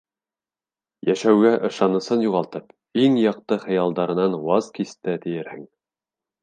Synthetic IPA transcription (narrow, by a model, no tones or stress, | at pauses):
jæʃæwɡæʔɤ̆ʃɑnɤ̆sɤnjuʁɑlˠt̪ɤp | iŋjɑq̚t̪ɤχɤ̆jɑlˠd̪ɑɾɤ̆nɑnwɑzkist̪æt̪ɘ̆jɘ̆ɾhɘŋ